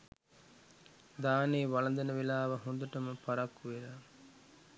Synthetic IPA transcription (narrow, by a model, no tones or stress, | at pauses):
d̪aːneːʋalɐd̪ɐnəʋelaːʋɐɦõnd̪uʈəməpaɾakːuʋeɾa